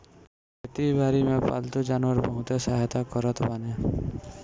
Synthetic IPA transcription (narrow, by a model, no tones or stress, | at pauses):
et̪ibʱaɾimepa̰lt̪od͡ʒanwəɾbɔɦũt̪esaɦjt̪akɔɾɔt̪bane